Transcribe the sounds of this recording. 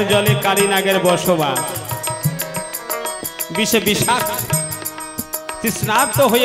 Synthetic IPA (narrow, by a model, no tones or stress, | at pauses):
d͡ʑɔlekaɾinaɡeɾbɔɾʃoba | biʃebiʃak | t̪isnaɾt̪oɦoje